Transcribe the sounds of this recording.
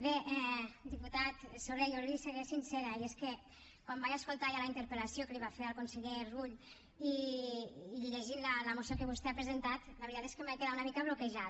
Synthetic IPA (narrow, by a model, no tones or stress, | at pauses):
beʔɛd̪iput̪at̪soɾeʎoɾliseɣesinseɾaieske | kwambajaskolˠt̪ajalaint̪əɾpəlasjokəliβafeɾalˠkonseʎeruʎ | iː | liʎeʒinlaləmusjokəβ̞ust̪eapɾezent̪at̪ləβɾit̪at̪eskəmajkeðaunəmikaβlokeʒa